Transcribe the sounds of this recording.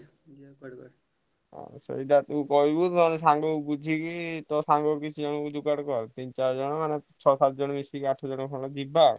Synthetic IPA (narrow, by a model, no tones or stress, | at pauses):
ɔ̰̃sḛjʈat̪ũkɔibut̪mansaŋɡobud͡ʒʱikit̪ɔsaŋɡokit͡ʃʰud͡ʒɔnd̪ukaɽkɔɾt̪int͡ʃaɾd͡ʒɔnɔmanet͡ʃʰɔsat̪̚d͡ʒɔnbisikaʈʰːɔd͡ʒɔnɔkʰɔlad͡ʒibːa